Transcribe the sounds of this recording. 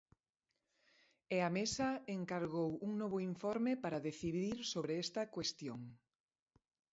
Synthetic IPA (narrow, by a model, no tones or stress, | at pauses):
eamesɐeŋkaɾɣowuŋnɔβʊiɱfɔɾmepaɾaðeθiðiɾsoβɾeɛst̪ɐkwest̪joŋ